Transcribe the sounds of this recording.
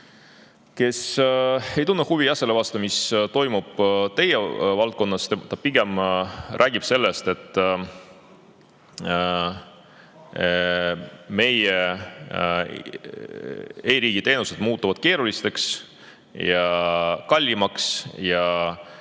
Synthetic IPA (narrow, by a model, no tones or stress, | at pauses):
ke̞s | e̞jt̪unːehuvijɑselːevɑːst̪ɑmist̪o̞jmub̥t̪e̞jevɑlt̪̚ko̞nːɑst̪emt̪ɑpiɡ̥e̞mrʔæːɡ̥ib̥se̞lːest̪e̞t̪ːˑ | me̞je | e̞ːɾiːɡ̥it̪eːnuse̞d̪̥muːt̪ːˑuvɑd̪̥ke̞ːɾulist̪e̞ks | jɑkɑlʲːimɑksjɑ